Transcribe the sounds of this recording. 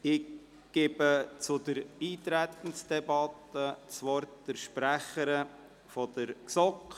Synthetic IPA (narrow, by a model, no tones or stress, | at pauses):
ɪ | ɡ̥ɪbət͡sʊd̪əɾiːt̪ɾæt̪ən̩sd̥̪ɛbɑt̪ət͡sʋɔɾtd̪̥əɾʃpɾæχəɾə | fɔd̪̥əɾsɔk